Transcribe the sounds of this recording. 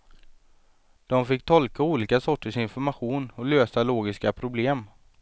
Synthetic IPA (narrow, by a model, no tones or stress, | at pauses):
d̪̥ɔmfɪkːt̪ʰɔlkauːliːkasɔʈːəʂɪnfɔɾmaɧuːnɔløːsaloːɡɪskapʰɾʊbleːm